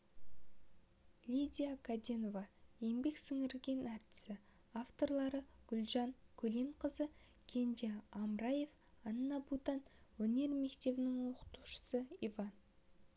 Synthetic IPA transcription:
lʲid̪ʲijakʰad̪ʲenovaje̞mbe̞ksɪŋɪɾɡʲe̞næɾt̪ɪ̥sɪ | aft̪o̞rlˠɑɾəɡ̥ʲʏlʲˠʒɑŋkʲʰɵle̞ɴqʰəzə | kʲʰe̞nd̪ʲeɑmɾɑje̞f | ɑnːɑbut̪ɑnwɵne̞ɾme̞kt̪e̞bɪnɪŋwo̞qə̥t̪uʃə̥səivɑn

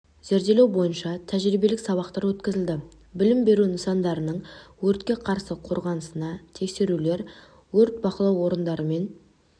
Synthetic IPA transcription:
z̥eɾd̪e̞lewbo̞jənʃɑt̪ʰæʒɾibe̞lɪksɑβɑqt̪ɑɾwɵt̪kʲɪzɪld̪ɪ | bɪlɪmbe̞ɾunəsɑnd̪ɑɾənəɴwɵɾt̪kʲe̞qʰɑɾsəqʰo̞ɾʁɑnəsənɑt̪ʰe̞kse̞ɾule̞ɾ | wɵɾt̪̚bɑqəlˠɑwwo̞ɾənd̪ɑɾəme̞n

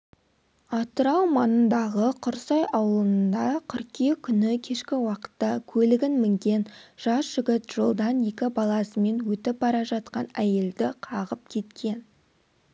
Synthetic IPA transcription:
ɑt̪əɾɑwmɑnənd̪ɑʁəqʰʊɾsɑjɑwəlˠəənd̪ɑqʲʰʏɾkʲekʲʰʏnɪkʲʰe̞ʃkʲɪwɑqə̥t̪ːɑkʲʰɵlɪɡʲɪnmɪŋkʲe̞nʒ̥ɑsʒ̥ɪɡʲɪt̪ʒ̥olˠd̪ɑnje̞kʲɪbɑlˠɑsəme̞nwɵt̪ɪp̚bɑɾɑʒɑt̪̚qɑnæje̞ld̪ɪqʰɑʁəp̚kʲʰe̞t̪kʲe̞n

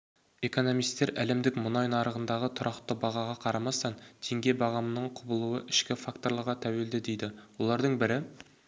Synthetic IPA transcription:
e̞ko̞no̞mijst̪ːeɾæle̞md̪ɪkmʊnɑjnɑɾəʁənd̪ɑʁət̪ʰʊɾʔɑqt̪əbɑʁɑʁɑqʰɑɾɑmɑst̪ɑnt̪ʰeŋɡʲe̞bɑʁɑmənəɴqʰʊbəlˠuwəʔɪʃkʲɪfakt̪o̞ɾlˠɑɾʁɑt̪ʰæwe̞ld̪ɪd̪ejd̪ɪwolˠɑɾd̪əɴbɪɾɪ

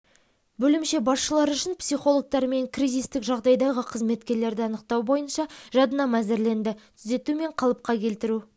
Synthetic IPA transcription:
bɵlɪmʃe̞bɑsʃəlˠɑɾʏʃɪnpsijχo̞lˠok̚t̪ɑɾme̞ŋkʰrijzist̪ɪkʒɑʁd̪ɑjd̪ɑʁəqʰəzme̞t̪kʲe̞ɾle̞ɾd̪ɪɑnəq̚t̪ɑwbo̞jənʃɑʒɑd̪ənɑmæzɪɾle̞nd̪ɪt̪ʰʏze̞t̪ume̞ɴqʰɑlˠəp̚qɑkʲʰe̞lt̪ɪɾu

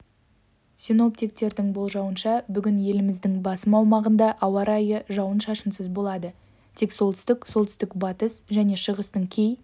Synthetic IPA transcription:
sino̞p̚t̪ik̚t̪e̞ɾd̪ɪŋbo̞lˠʒɑwənʃɑbʏɡʲɪnje̞lɪmɪzd̪ɪŋbɑsəmɑwmɑʁənd̪ɑʔɑwɑɾɑjəʒɑwənʃɑʃəmsəzbo̞lˠɑd̪ə | t̪ʰe̞kso̞lˠt̪ʰʏ̥st̪ɪksolˠt̪ʏ̥st̪ɪkbɑt̪əsʒæne̞ʃəʁəst̪əɴkʲʰe̞j

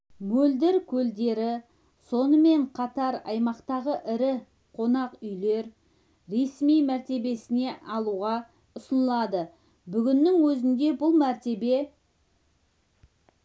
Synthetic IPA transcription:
mɵld̪ɪɾkʲʰɵld̪e̞ɾɪ | so̞nəme̞ɴqʰɑt̪ɑɾɑ̰jmɑqt̪ɑʁəʔɪɾɪ | qʰo̞nɑqʏjle̞ɾ | ɾe̞smijmæɾt̪e̞be̞sɪne̞ʔɑlˠuʁɑ | ʊsənəlˠɑd̪ə | bʏɡʲɪnːɪŋwɵzɪnd̪e̞bʊlˠmæɾt̪e̞be̞

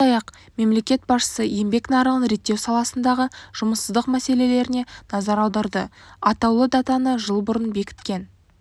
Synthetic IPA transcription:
ɑjɑq | me̞mle̞kʲe̞t̪̚bɑsʃə̥səje̞mbe̞knɑɾəɴənɾe̞t̪ːe̞wsɑlˠɑsənd̪ɑʁəʒ̥ʊməsːəzd̪əqmæse̞le̞le̞ɾɪnenɑzɑɾɑwd̪ɑɾd̪əɑt̪ɑwlˠəd̪ɑt̪ɑnəʒəlˠbʊɾənbe̞kʲɪ̥t̪̚kʲe̞n

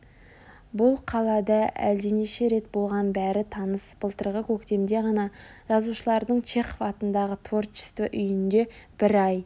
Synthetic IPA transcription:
bʊlˠqʰɑlˠɑd̪ɑʔæ̰ld̪eneʃe̞ɾe̞t̪̚bo̞lˠʁɑnbæɾɪt̪ʰɑnəsb̥əlˠt̪əɾʁəkʲʰɵkt̪e̞md̪e̞ʁɑnɑʒ̥ɑzuʃəlˠɑɾd̪əɴt͡ʃʰe̞χovɑt̪ənd̪ɑʁət̪ʰvo̞rt͡ʃɪ̥st̪əʔʏjɪnd̪e̞b̥ɪɾɑj

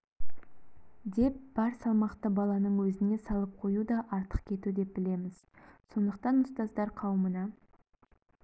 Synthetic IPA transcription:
d̪e̞p̚b̥ɑɾsɑlˠmɑqt̪əbɑlˠɑnəɴwɵzɪne̞sɑlˠəp̚qʰo̞jud̪ɑʔɑɾt̪ə̥qkʲʰe̞t̪ud̪e̞p̚bɪle̞mɪz̥so̞nd̪əqt̪ɑnːʊst̪ɑzd̪ɑɾqʰɑwmənɑ

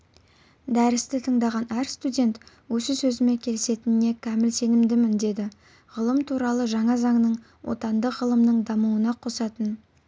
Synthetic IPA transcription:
d̪æɾɪst̪ɪt̪ʰəɴd̪ɑʁɑnæɾst̪udʲe̞nt̪ | wɵsɪsɵzɪme̞kʲʰe̞lɪse̞t̪ɪnɪne̞kʲʰæmɪlse̞nɪmd̪ɪmɪnd̪e̞d̪ɪ | ʁəlˠəmt̪ʰuɾɑlˠəʒɑɴɑzɑŋnəɴ | wʔo̞̰t̪ɑnd̪əqʁəlˠəmnəɴd̪ɑmuənɑqʰo̞sɑt̪ən

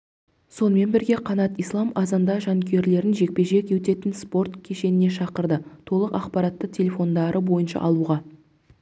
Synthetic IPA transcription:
so̞nəme̞nbɪɾɡʲe̞qʰɑnɑt̪ijslˠɑmɑzɑnd̪ɑʒɑŋkʲʰe̞ɾle̞ɾɪnʒe̞k̚pe̞ʒe̞kʲet̪e̞t̪ɪnspo̞rt̪kʲʰe̞ʃe̞nɪne̞ʃɑqəɾd̪ət̪ʰo̞lˠəqɑqpɑɾɑt̪ːət̪ʲʰe̞lʲe̞fo̞nd̪ɑɾəbo̞jənʃɑ̰ʔɑlˠuʁɑ

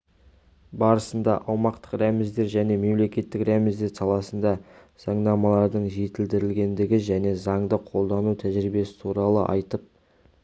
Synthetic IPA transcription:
bɑɾəsənd̪ɑʔɑwmɑqt̪ə̥qɾæmɪzd̪e̞ɾʒæne̞me̞mle̞kʲe̞t̪ːɪkɾæmɪzd̪e̞ɾsɑlˠɑsənd̪ɑ | z̥ɑɴd̪ɑmɑlˠɑɾd̪əɴʒe̞t̪ɪld̪ɪɾɪlɡʲe̞nd̪ɪɡʲɪʒæne̞zɑɴd̪əqʰo̞lˠd̪ɑnut̪ʰæʒɾɪbe̞sɪ̥t̪ʰuɾɑlˠə̰ʔɑ̰jt̪əp̚

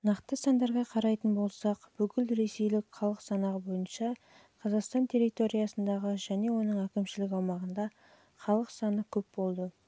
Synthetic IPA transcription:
nɑqt̪əsɑnd̪ɑɾʁɑqʰɑɾɑjt̪ənbo̞lˠsɑqb̥ʏkʲɪlɾe̞se̞jlɪkχɑlˠəqsɑnɑʁəbo̞jənʃɑ | qʰɑzɑqst̪ɑnt̪ʰe̞ɾit̪o̞ɾijɑsənd̪ɑʁəʒæne̞wo̞nəɴækʲɪmʃɪlɪk̬ʲɑwmɑʁənd̪ɑ | χɑlˠəqsɑnəkʲʰɵp̚bo̞lˠd̪ə

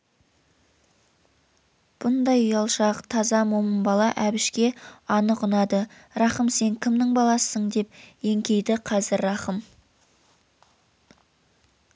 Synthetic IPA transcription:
b̥ʊnd̪ɑjjɑlˠʃɑqt̪ʰɑzɑmoməmbɑlˠɑʔæbɪʃkʲe̞ɑnəqʊnɑd̪ə | ɾɑχəmse̞ŋkʲʰɪmnɪŋbɑlˠɑsəɴd̪e̞p̚je̞ŋkʲe̞jd̪ɪqʰɑzɪɾːɑχəm

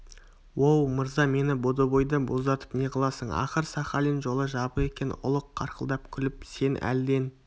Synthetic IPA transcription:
wowməɾzɑme̞nɪbo̞d̪obo̞jd̪əbo̞zd̪ɑt̪ə̥pneqʰɑlˠɑsəɴɑ̰χəɾsɑχɑlinʒo̞lˠəʒɑpəe̞kʲe̞nʊ̰lˠəqʰːɑɾqəlˠd̪ɑpkʲʰʏlɪp̚se̞nʔæ̰ld̪e̞n

